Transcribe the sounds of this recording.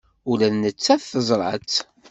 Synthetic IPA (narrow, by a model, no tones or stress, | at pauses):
ʊlæðnət͡sːæθθəzˤɾˤə̰t͡sː